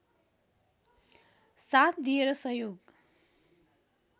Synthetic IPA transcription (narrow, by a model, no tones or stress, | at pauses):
sat̪̚ʰd̪ieɾʌsʌjoɡ